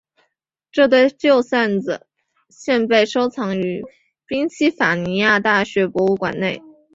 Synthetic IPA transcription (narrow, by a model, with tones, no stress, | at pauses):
ʈ͡ʂɤ˥˧t̪we˥˧ɪʈ͡ʂjo˥˩ʊsa˥˩nd͡z̩˨˩ | ɕjɛ˥˧npe˥˩ɪʂo˥ʊt͡sʰɑ˧˥ŋy˧˥ | pi˥ŋt͡ɕʰi˥fa˨˩ni˧˥ja˥˧t̪a˥˩ɕɥɛ˧˥pwɔ˧˥u˥˩kwa̰˨˩nne˥˩ɪ